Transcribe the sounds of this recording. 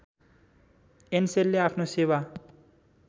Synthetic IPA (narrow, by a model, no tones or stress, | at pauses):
enselːeapʰnosewa